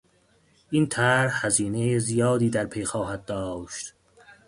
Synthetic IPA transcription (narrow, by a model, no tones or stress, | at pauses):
ʔint̪ʰæɾhhæziːne̞jezijɒːd̪iːd̪æɾpʰe̞jxɒːɦæd̪̚d̪ɒːʃt̪